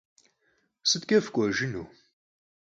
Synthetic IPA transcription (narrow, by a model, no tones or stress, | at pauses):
sɨt̪̚kʲʼɐfkʷʼɔʒɨnu